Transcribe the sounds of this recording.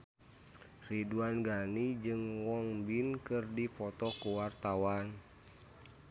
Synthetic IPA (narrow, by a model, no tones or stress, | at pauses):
riduanɡanid͡ʒɨŋwɔŋbinkɨrdipɔt̪ɔkuwart̪awan